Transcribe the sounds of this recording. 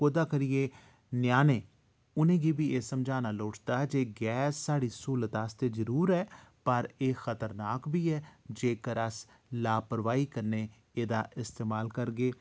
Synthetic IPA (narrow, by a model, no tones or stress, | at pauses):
koːd̪aːkəɾijeː | nɪjaːneː | ʊnẽːɡiːbiːeːsəmd͡ʒaːnaːloːʈd̪aːd͡ʒeːɡɛːsːaːɽiːsuːlət̪aːst̪eːzəɾuːɾɛːpəɾeːxət̪əɾnaːkbʱiːɛːd͡ʒeːkəɾəs | laːpəɾʋaːiːkəɾneː | eːd̪a̰ːʔɪst̪eːmaːlkəɾɡeː